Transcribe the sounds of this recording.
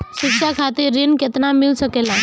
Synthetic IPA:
sukɕakʰat̪iɾːinkət̪namilsəkelã

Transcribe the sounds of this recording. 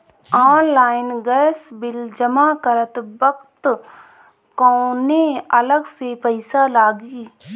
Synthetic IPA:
ɔːnlaːɪnɡɛːsbɪld͡ʒəmakəɾət̪bəkt̪ | kɔːneələɡsepəɪsalaːɡiː

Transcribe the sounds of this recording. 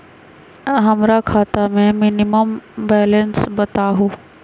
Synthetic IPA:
ɦɐmɾakʰaːt̪amẽmɪnɪməmbɛːlənsbɐt̪aɦoː

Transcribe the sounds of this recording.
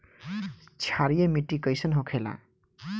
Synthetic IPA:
t͡ʃʰaɾijemiʈːikʌjsʌnɦõkʰela̰

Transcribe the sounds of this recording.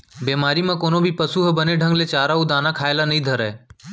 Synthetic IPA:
beːmaːɾimãːkoːnoːbʱipəsuːɦbəneɖʱə̃ŋɡleːt͡ʃaːɾaːuːd̪aːnãːkʰaːelanəɦĩːd̪ʱəɾəeː

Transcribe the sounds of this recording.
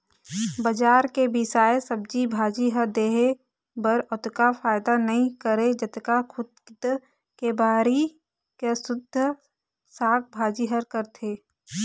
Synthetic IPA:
bɐd͡ʒaːɾkebɪsaːesɐbd͡ʒibʱaːd͡ʒiɦəɾd̪eːɦe | bəɾɔt̪kafaːɪd̪anɐɦĩkəɾed͡ʒɐt̪kakʰʊd̪̚kd̪ | kebʱaːɾi | kesʊd̪ʱːə | saːk̚ʰbʱaːd͡ʒiɦəɾkəɾt̪ʰeː

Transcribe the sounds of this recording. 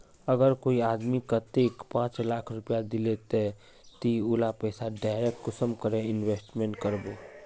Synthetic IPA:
əɡəɾkoːiaːd̪mikat̪eːkpãːt͡ʃlaːkʰɾʊpijad̪ɪlet̪e | t̪iʊlapɛːsaɖaːɪɾek̚ʈːʊsəmkəɾẽɪnweːsʈmẽɳʈkəɾboː

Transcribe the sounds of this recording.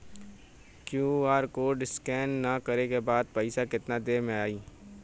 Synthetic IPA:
kjuːaːɾkoːɖɪskɛːnːakɐɾekebaːd̪̚pɐɪsakɪt̪nad̪eːmẽaːiː

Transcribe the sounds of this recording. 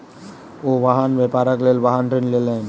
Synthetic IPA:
oʋaɦanʋepaɾəklelʋaɦanʈɾenlelen

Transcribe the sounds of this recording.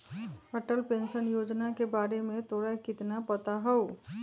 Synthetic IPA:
əʈəlpẽːnʃənjoːd͡ʒnakebaːɾemẽt̪ʰoːɽakɪt̪napət̪aɦɛo

